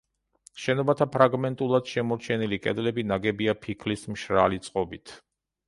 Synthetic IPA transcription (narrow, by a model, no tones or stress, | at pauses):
ʃɛnɔbat̪ʰapʰɾaɡmɛnt̪ʼulˠad̪̥ʃɛmɔɾt͡ʃʰɛnilikʼɛ̰d̪lɛbinaɡɛbiapʰikʰlismʃɾalit̪sʼqʼɔbit̪ʰ